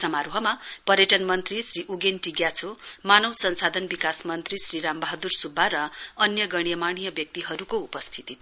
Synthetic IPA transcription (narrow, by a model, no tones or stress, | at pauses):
sʌmaɾuɦʌmapʌɾjʌʈʌnmʌnt̪risriʔuɡenʈiɡjat͡sʰomanʌwsʌnsad̪ʱʌnbikasmʌnt̪risriɾambʌɦʌd̪ursubʱːaɾʌʌnjʌɡʌɽ̃ijʌmaɽ̃ijʌbjʌk̚t̪iɦʌɾukoupʌst̪ʰit̪it̪ʰ